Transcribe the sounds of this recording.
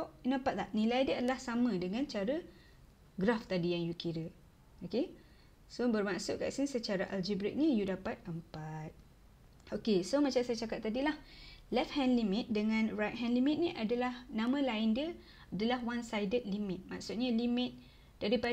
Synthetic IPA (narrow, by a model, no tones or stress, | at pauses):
ʔnapat̪̚lahnilajdəadalahsamə̃dəŋãnt͡ʃaɾa | ɡɾaft̪adijaŋjukiɾə | oke | sobərmaksʊʔka̰ʔsinsət͡ʃaɾaʔald͡ʒibɾɪt̪̚nijudapat̪̚əmpat̪̚ | okesomat͡ʃamsajat͡ʃakat̪̚t̪ːadilahlɛfhɛ̃nlimɪt̪̚dəŋãnrajt̪̚ɦɛ̃nlimit̪̚nĩʔadalahnãmãlaɪndiə | adalahwansajdət̪̚limɪt̪̚maksʊt̪̚ɲalimɪt̪̚ | d̥aɾipa